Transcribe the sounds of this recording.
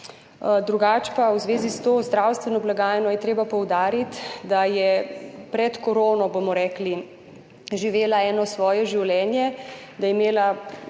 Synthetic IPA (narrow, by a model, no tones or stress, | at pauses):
d̪ɾuɡaːt͡ʃpawzʋeːzist̪oːzd̪ɾawst̪ʋɛnɔblaɡaːjɛnɔjɛt̪ɾeːbapɔwd̪aːɾit̪d̪ajɛpɾɛt̪kɔɾoːnɔbomɔɾɛːkli | ʒiʋeːlaɛːnɔsʋɔːjɛʒiwlɛːnjɛ | d̪ajɛimeːla